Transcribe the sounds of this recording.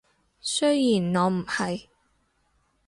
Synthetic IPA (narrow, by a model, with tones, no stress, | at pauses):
sɵ˥jjiː˨˩nŋɔː˨˧m̩˨˩hɐ˨j